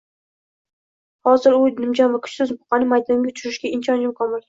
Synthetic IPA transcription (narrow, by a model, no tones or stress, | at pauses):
hɒzɪɾʊnɪmd͡ʒanvakʰʊ̥t͡ʃsʊzbʊ̥qɑnɪmajd̪aŋɡʲaʊt͡ʃʰʊɾɪʃɡʲaɪnt͡ʃʰɒnɪmkʰɒmɪl